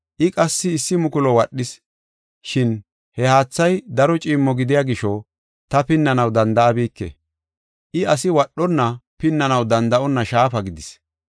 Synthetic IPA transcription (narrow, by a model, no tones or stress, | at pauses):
ʔɪkʼɐsːɪːsːɪmʊkʊlɔwɐɗːɪs | ʃɪn | hɛhaːt͡sːɐjd̪ɐɾɔt͡ʃʼiːmːɔɡɪd̪ɪjaɡɪʃɔ | t̪ɐpɪnːɐnɐwd̪ɐnd̪ɐɐbiːkːɛ̰ | ʔɪɐsɪwɐɗːɔnːɐpɪnːɐnɐwd̪ɐnd̪ɐʔɔnːɐʃaːfɐɡɪd̪ɪs